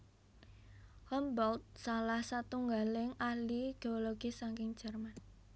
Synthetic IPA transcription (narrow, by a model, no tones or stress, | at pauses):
hɔmbɔlt̪̚salahsat̪uŋɡalɪŋahliɡ̥eoloɡ̥ɪsaŋkɪŋd̥d͡ʒ̥ɛrman